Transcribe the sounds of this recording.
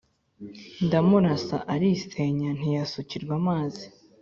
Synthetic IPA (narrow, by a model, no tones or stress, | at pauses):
ndamuɾasa̰ʔaɾiseɲan̥ijasuciɾɡwamaːzi